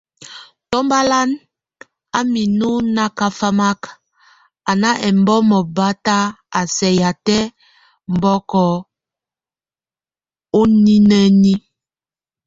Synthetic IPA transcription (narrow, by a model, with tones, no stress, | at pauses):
tɔ˦mba˦la˦n | a˦mi˨nu˦na˦ka˦fa˦ma˦k | a˨na˦ʔɛ˨m˦bɔ˦mɔ˨ba˦ta˦a˨sɛ˨ja˨tɛ˦ | m̩˨bɔ˦kɔ˨ | o˦ni˦nɛ˦ni˦